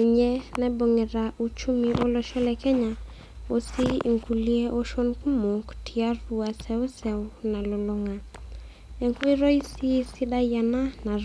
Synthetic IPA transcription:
i˨ɲɛ˦nɛ˦bo˨ŋɛ˨ɾa˨ʔu˨t͡ʃu˦mi˨ʔo˦lɔ˨ʃɔ˦lɛ˨kɛ˦ɲa˨ | o˦si˦˨ŋku˨li˦ɛ˦ʔo˦ʃɔ˦nku˦mo˨ktʰi˨a˦ru˨a˨sɛ˦u˦sɛ˨ʊ˦na˨lɔ˨lɔ˨ŋa˨ | ɛ˨ŋkɔ˦i˦ɾɔ˦i˦si˦si˦da˦ja˨na˦na˨

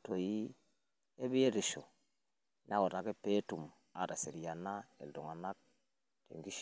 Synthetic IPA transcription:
to˨ji˦ | e˦bi˦je˦ɾi˨ʃo˨ | n˦a˦ko˨ta˨ke˦pːe˦tu˨m | a˨ta˨se˨ɾi˨ja˨na˦ḛ˨do˨ŋa˨na˦k̚ | tḛ˨ŋɡi˦ʃ

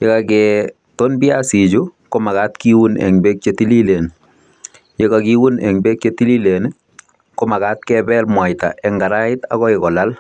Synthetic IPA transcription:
je˦kakɛ | tonbi˦asi˨d͡ʒukoma˨ka˦tkiwu˦nɛ̰ŋbe˦k̚t͡ʃeti˦li˦le˨n | jekakiwunɛ̰˨ŋbe˦k̚t͡ʃeti˦li˦len | koma˨kat̚kɛbɛ˦lmwa˨jta̰˨ʔɛ˨ŋɡa˨ɾa˦ɪ˦ta̰˦kɔ˦ɪkɔ˨lal

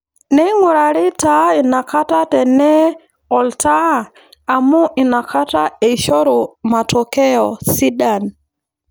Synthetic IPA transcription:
nɛ˦ŋwɔ˨ɾa˨ɾɪ˦ta˦i˨na˨ka˦ta˦tɛ˨nɛ˦ | ɔ˨ltaː˦˨ | mʊ˦ʔɪ˨na˨kʰa˦ta˦e˨ʃɔ˦ɾʊ˨ma˨tɔ˨kɛ˦ɔ˨si˦ɗa˨n

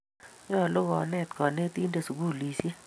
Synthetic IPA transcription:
ɲɔ˦˨lo˦ɡɔ˨nɛ˦˨t̪kɔ˨ne˦t̪i˦nda˨su˨ɡu˦˨li˨si˦e˦

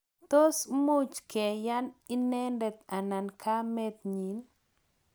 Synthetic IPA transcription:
t̪o˦smu˦t͡ʃkɛ˨ja˦ni˦nɛ˦ndɛ˨t̪a˨na˨nkʰa˦mɛ˦t̪̚ɲi˨n

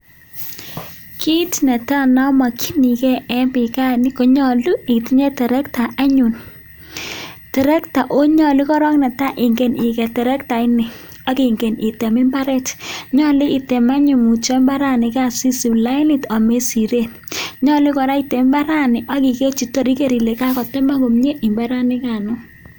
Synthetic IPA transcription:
ki˦tnɛ˨ta˦na˦ma˨kʰi˦ni˨kɛ˦ɛ˦mbɪ˨ka˦nɪ˦kɔ˨ɲɔ˨lu˦i˨ti˦ɲe˦tɛ˨ɾɛ˦kta˨ʔa˦ɲu˨n | tɛ˨ɾɛ˦kta˨ʔo˦ɲɔ˨lɪ˦kɔ˦ɾɔ˦ŋnɛ˨ta˦ʔɪ˨ŋɡe˨nɪ˨kɛ˨tɛ˨ɾɛ˦kta˨ɪ˦nɪ˨ | a˦ki˨ŋɡe˨ni˨tɛ˨mɪ˦mba˦ɾɛ˦tɲɔ˦lɪ˦i˨tɛ˨ma˦ɲu˨mu˨t͡ʃɔ˦mba˦ɾa˦nɪ˨ka˦˨si˦si˨la˦ɪ˦nɪ˦tɔ˨me˦si˨ɾe˦˨n | ɲɔ˦li˦kɔ˨ɾa˦i˦tɛ˨m˦mba˦ɾa˦nɪ˨ʔa˦ki˨ke˦t͡ʃi˨to˦ɾi˦ke˨ɾi˨le˨ka˦kɔ˨tɛ˦ma˦ko˨mɲe˦ʔi˨mba˦ɾa˦nɪ˦ka˨nʊ˦

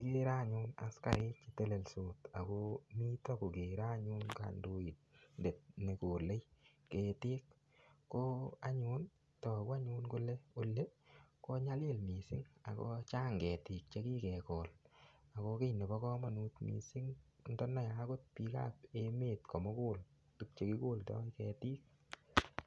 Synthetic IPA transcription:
ke˦ɾa˦ɲu˦na̰˨˦ska̰˨ɾe˦t͡ʃi˦te˦le˨lso˨ta˨ko˦mi˦tɔ˦ko˨ke˨ɾa˦ɲu˦nka̰˨ndo˦i˨t̚nde˨t̚ne˨ko˨le˦j | ke˨tɪ˦kː | o˦a˦ɲu˦n | tɔ˨ko˦a˦ɲu˦nko˦le˦o˦lːe˦ko˦ɲa˦le˦lmi˨sɪ˦ŋa̰˨kɔ̰˦t͡ʃaː˦ŋɡɛ˨tɪ˨k̚t͡ʃe˦ki˦kɛ˨kɔ˨la˨kɔ˧ke˦ne˨bɔ˦kɔ˦ma˨nu˧tmḭ˨sɪ˦ŋ | ndɔ˦na˦˨ja˦ko˦t̚pi˧ka̰˦p̚e˦meː˨tkʰɔ˨mo˦ko˦l | tu˨˦k̚t͡ʃe˨ki˦ko˦ltɔ̰˦kɛ˨tiː˦k̚

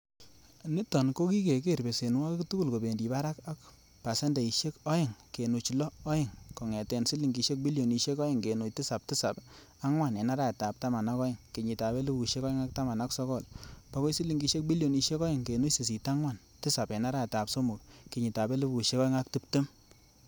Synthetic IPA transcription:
ni˦tɔ˨nko˦ki˦ke˨ke˦˨ɾbe˨se˨nwa˦kktu˦ku˦˨lko˨be˨ndi˨pa˦ɾa˦ka˦k | pa˨se˦nde˨i˨ʃe˦kɔ˦ɪ˨ŋke˨nu˨t͡ʃlɔː˦ɪ˨ŋkɔ˨ŋɛ˨tɛ˨nsi˦li˨ŋɡi˨ʃe˦k̚bi˦ljo˨ni˨ʃe˦kɔ˦ɪ˦˨ŋke˨nu˨t͡ʃti˦sa˨p̚ti˦sa˨p | a˦ŋwa˨ne˨na˦ɾa˦e˨ta˨p̚ta˦ma˨na˦kɔ˦ɪ˨ŋke˨ɲi˨ta˨be˦lu˦bu˨ʃe˦kɔ˦ɪ˦ŋa˦k̚ta˦ma˨na˦ksɔ˦kɔ˦˨lpa˨˦ko˦si˦li˨ŋɡi˨ʃe˦k̚bi˦ljo˨ni˧ʃe˦kɔ˦ɪ˨ŋke˨nu˦t͡ʃsi˨s̬i˨ta˦ŋwa˨n | tɪ˦sa˨pe˨na˦ɾa˦e˨ta˨pso˦mu˨k̚ke˨ɲi˨ta˨be˦lu˦bu˨ʃe˦kɔ˦ɪ˦ŋa˦k̚ti˦p̚te˦m

